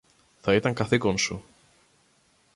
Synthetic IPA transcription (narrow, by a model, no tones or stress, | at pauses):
θɐit̪ɐŋkɐθikonsu